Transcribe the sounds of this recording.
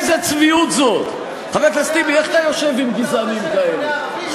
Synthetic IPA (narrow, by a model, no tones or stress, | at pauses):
zɛt͡sviut̪zot̪ | χavɛflast̪ibiɛχt̪ajɔʃɛvɪmɡizanimkaɛle